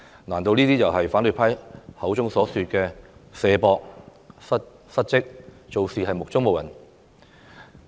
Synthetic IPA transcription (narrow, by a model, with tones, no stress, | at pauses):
naː˨˩nt̪o˧wniː˥t̪iː˥jɐ˨˩wɦɐ˨jfaː˨˥nɵ˨jpʰɐ˥jhɐ˨˥wt͡sʊ˥ŋsɔː˨˥syː˧t̚kɛː˧sɛː˧pɔː˧k̚ | sɐ˥t̚ | sɐ˥t̚t͡sɪ˥k̚t͡ʃo˨˧wsiː˨ɦɐ˨jmʊ˨k̚t͡sʊ˥ŋm˨wjɐ̰˨˩n